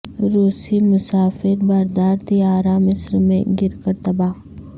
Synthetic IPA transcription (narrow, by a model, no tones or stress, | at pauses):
ɾoːsimʊsaːfɪɾbɐɾd̪aːɾt̪ijaːɾamɪsɾmḛ̃ɡɪɾkəɾt̪ɐbaː